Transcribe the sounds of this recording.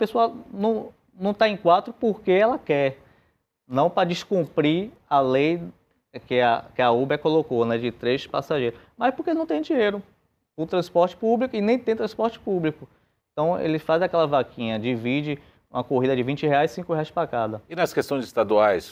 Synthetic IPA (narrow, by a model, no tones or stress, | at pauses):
pesoawnɐ̃w̃ | nɐ̃w̃t̪aẽj̃kwat̪ɾʊpoɾkeɛlɐkɛ | nɐ̃w̃pɾɐd͡ʒiskũpɾi | alej | kɪakɪaubɛkolokonɛd͡ʒɪt̪ɾeʃpa̰saʒejɾʊ | majspoɾkenɐ̃w̃t̪ẽj̃d͡ʒĩɲejɾʊ | pʊ̃t̪ɾɐ̃spɔɾt͡ʃɪ̥publikʊɪnẽj̃t̪ẽt̪ɾɐ̃spɔɾt͡ʃɪ̥publikʊ | ẽt̪ɐ̃w̃ḛlɪfazakɛlɐvakʰĩɲɐd͡ʒivid͡ʒɪ | ũmɐkoɦid̪ɐd͡ʒɪvĩt͡ʃɪheajssĩkʊheajspɾakad̪ɐinɐskest̪õj̃zɪst̪ad̪uajs